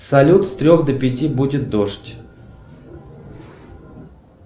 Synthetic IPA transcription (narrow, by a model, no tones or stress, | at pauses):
sɐlʲut̪st̪ɾʲoxd̪əpʲɪtʲibudʲɪt̪̚d̪oʂtʲ